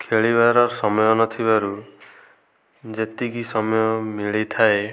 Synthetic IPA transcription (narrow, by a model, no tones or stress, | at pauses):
kʰeɭibaɾɔɾsɔmɔjɔnɔt̪ʰibaɾu | d͡ʒet̪iɡisɔmɔjɔmiɭit̪ʰae